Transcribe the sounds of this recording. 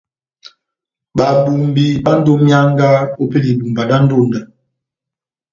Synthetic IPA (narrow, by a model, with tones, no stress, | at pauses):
ɓa˨bu˨mbi˨ba˦n̩˦do˦mja˦ŋ˦ɡa˦o˦pe˦li˨bu˨mba˨ɗa˦n̩˦do˦˨ndə˨